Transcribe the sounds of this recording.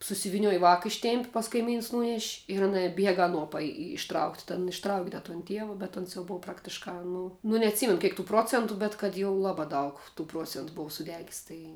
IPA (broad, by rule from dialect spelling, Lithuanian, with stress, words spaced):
sʊsʲɪʋʲɪˈnʲoːj ʋɑːkɐ ˈɪʃʲtʲeːmʲpʲ pɐs kɐɪˈmʲiːns ˈnuːnʲɛʃʲ ɪr ɐˈnɐ ˈbʲiɛɡɐ ɐˈnuɔ pɐˈjɪ ɪʃˈtrɐʊktʲ tʲɛn ɪʃˈtrɐʊkʲ dɐ toːn ˈtʲiɛʋɐ bʲɛt ˈoːns jɛʊ ˈboːw ˈprɑːktʲɪʃkɑː ˈnʊ nʊ nʲɛɐtʲˈsʲiːmʲɛnʊ ˈkʲeːk tuː ˈproːt͡sʲɛntʊ bʲɛt kɐt jɛʊ ˈlˠɑːbɑː ˈdɐʊk tuː ˈpruɔt͡sʲɛntʊ ˈboːw sʊˈdʲæːɡʲɪs tɐɪ